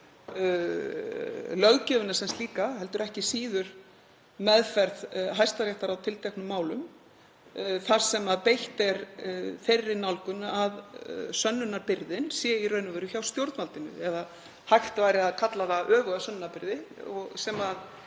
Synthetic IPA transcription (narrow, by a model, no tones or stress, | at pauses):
lœɣcɛːvʏnasɛnst̪liːkaɦɛl̪t̪ʏɾɛhcɪsiːðʏɾ̥ | mɛðfɛɾðɦajst̪aɾjaht̪aɾawt̪ʰɪlt̪ʰɛknʏmːaːwlʏm | θaɾ̥sɛmaðpejht̪ɛɾferːɪnawlkʏnʏʔaðsœnːʏnaɾpɪɾðɪnsjɛirœɥnʏvœjɾʏçawst̪jowɾt̪nvalt̪ɪnʏ̰ɛða | hajxt̪vajɾɪaðkʰat̪laɾaʔœːɣʏasœnːnapɪɾðɪɔɣsɛmað